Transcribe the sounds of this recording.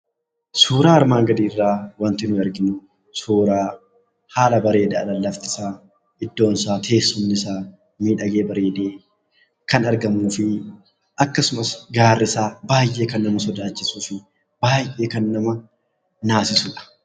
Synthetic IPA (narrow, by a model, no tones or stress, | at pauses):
suːɾaːɐɾmaːŋɡɐd̪iːrːaːwɐnt̪ɪnʊɐɾɡɪnʊ | suːɾaː | haːlɐbɐɾe̞ːd̪eɐlɐlːɐft̪ɪ̥saː | ɪd̪ːo̞ːnsaːt̪ʰe̞ːsːʊnːɪsaː | miːᶑɐɡe̞ːbɐɾe̞ːd̪eː | kɐnɐɾɡɐmuːfɪ | ʔɐkːɐsʊmɐsɡaːrːɪsaːbaːjʔe̞ːkɐnːɐmɐsɔd̪aːt͡ʃːɪsuːfɪ | b̥aːjʔe̞ːkɐnːɐmɐ | naːsɪsʊᶑɐ̥